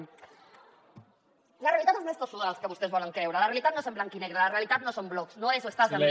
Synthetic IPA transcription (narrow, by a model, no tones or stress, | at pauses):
larealit̪at̪ezmest̪osuðalskəβust̪ezβɔleŋkɾewɾalarealit̪at̪nosemblaŋkineɣɾalarealit̪at̪nosomblɔksnoesoest̪aze